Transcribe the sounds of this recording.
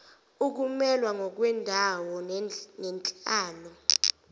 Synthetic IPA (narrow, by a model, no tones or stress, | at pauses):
uk̬umɛlwaŋɔk̬wɛndʱawɔnɛnt͡ɬʼaːlɔ